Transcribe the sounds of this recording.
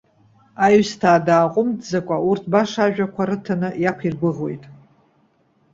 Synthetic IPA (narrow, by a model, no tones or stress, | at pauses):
ajstʰaːdaːqʷʼʊmdzakʷʼaurtʰbaʂaʒᶣakʷʰaɾɨtʰanɨjapʷʰirɡʷʊʁo̞jtʼ